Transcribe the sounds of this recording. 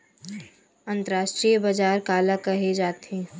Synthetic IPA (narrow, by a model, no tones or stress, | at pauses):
ə̃nt̪əɾaːʃʈɾijəbad͡ʒaːɾkaːlakɐɦed͡ʒaːt̪ẽː